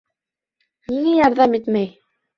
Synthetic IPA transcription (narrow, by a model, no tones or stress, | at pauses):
niŋæjɑɾðɑmit̪mæj